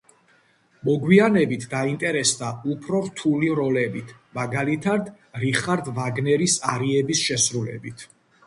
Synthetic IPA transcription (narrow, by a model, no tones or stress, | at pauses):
mɔɡwianɛbit̪ʰd̪aint̪ʼɛɾɛsd̪aupʰɾɔɾt̪ʰuliɾɔlɛbit̪ʰ | maɡalit̪ʰaɾd̪ | ɾiχaɾd̪vaɡnɛɾisaɾiɛbisʃɛsɾulɛ̰bit̪ʰ